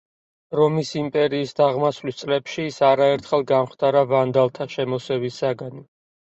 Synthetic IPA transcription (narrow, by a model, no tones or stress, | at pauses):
ɾɔmisimpʼɛɾiːsd̪aʁmasvlist̪sʼlɛpʃiːsaɾaɛɾt̪ʰχɛlˠɡamχt̪ʰaɾavand̪alˠt̪ʰaʃɛmɔsɛvisaɡan